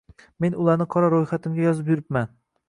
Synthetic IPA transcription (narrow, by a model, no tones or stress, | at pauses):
me̞nʊlˠaɾnɪqʰɒɾaɾojχat̪ʰɪmɡʲajɒzɪp̬jʊɾɪpman